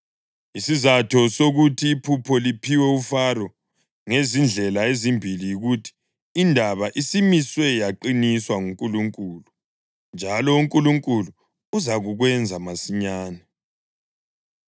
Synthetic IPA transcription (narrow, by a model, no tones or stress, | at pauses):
isizatʰɔsoɣutʰiːpʰupʰɔlipʰiwɛufarɔ | ŋezind͡ɮʱɛlaezimbʱilijiɣutʰi̥ː | ndʱaβaʔisimiswɛjaǃiniswaŋuŋkʼuluŋkʼuːlu | nd͡ʒʱalɔuŋkʼuluŋkʼulu | uzaɣuɣwɛnd͡zʱamasiɲaːnɛ